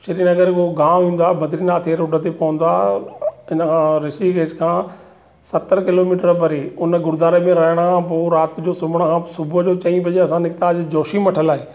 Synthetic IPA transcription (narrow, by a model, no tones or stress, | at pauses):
ʃɐɾiːnɐɡəɾkoɡãːĩːn̆d̪aːbʱɐd̪ɾinat̪ʰeːɾʊɖət̪epɐʋə̃n̆d̪aː | ɪnəkʰãːɾɪsʈiɡeːʈkʰãː | sɐt̪əɾkɪloːmiːʈəɾpɐɾeːʊnəɡʊɾd̪aːɾemẽɾɐɦəɽ̃əkʰãp̬oːɾaːt̪d͡ʑoːsʊbʱəɽ̃əkʰãsʊbʱd͡ʑoːt͡ɕɐ̃ĩpɐd͡ʑeɐsãnɪkt̪aːd͡ʑed͡ʑoːʃimɐʈʰəlaːɦeː